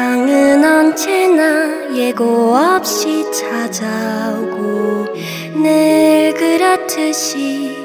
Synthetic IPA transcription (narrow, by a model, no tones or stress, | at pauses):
aŋɯnʌnt͡ɕʰena | jeɡoʌp̚ɕit͡ɕʰad͡ʑaɡo | nɯɭɡɯɾatʰɯɕi